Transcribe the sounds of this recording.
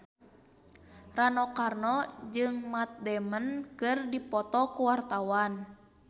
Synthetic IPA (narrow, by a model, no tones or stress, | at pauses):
ranɔkarnɔd͡ʒɨŋmat̪̚dɛmənkɨrdipɔt̪ɔkuwart̪awan